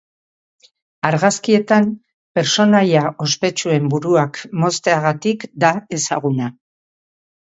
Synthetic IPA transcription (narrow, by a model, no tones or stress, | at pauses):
aɾɣaskie̞t̪am | pe̞ɾso̞najaʔo̞spe̞t͡ʃue̞mbuɾuakmo̞st̪e̞aɣat̪ikd̪ae̞sa̰ɣ̞una